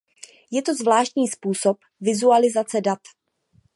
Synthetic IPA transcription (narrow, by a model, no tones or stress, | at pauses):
jɛt̪o̞zvlaːʃt̪ɲiːspuːso̞p | vɪzualɪzat͡sɛdat̪